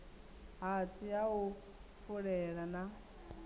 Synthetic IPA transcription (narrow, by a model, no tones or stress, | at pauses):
ɦat͡sʰʼijaɦu | fuɺɛɺana